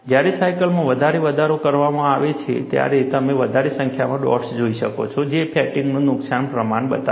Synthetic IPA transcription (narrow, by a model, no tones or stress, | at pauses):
d͡ʒjaɾesajkəlmãʋəd̪ʱaɾeʋəd̪ʱaɾokəɾʋamãaʋet͡ʃʰḛt̪ja̰ɾet̪əmeʋəd̪ʱaɾesə̃ŋkʰjamãɖɔ̰ʈsd͡ʒoiʃəko̰t͡ʃʰɔd͡ʒepʰɛʈiŋɡnũnʊksanpɾəmaɳbə̰t̪a